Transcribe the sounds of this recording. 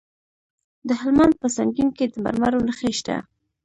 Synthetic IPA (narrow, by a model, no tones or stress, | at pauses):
d̪əhɪlmand̪̚pəsaŋɡinked̪əma̰ɾmaɾonəxeʃt̪a̰